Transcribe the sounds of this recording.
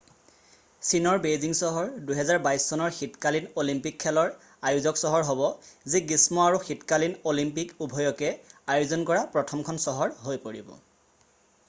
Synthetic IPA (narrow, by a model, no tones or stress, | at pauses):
sinɔɹbeziŋsɔɦɔɹduɦɛzaɹbajsːɔnɔɹxitkalinolimpikʰːɛlɔɹ | ajuzɔksɔɦɔɹɦɔbɔziɡismɔaɹuxitkalinolimp̬ikubʱɔjɔkɛajuzɔnkɔɹapɹɔtʰɔmkʰɔnsɔɦɔɹɦojpoɹibɔ̰